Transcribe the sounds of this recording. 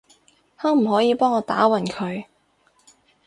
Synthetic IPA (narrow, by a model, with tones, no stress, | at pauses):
haː˨˥m̩˨˩ɦɔː˨˥jiː˨˧pɔː˥ŋɔː˨˧t̪a̰ː˨˥wɐ˨˩nkʰɵ˨˧ɥ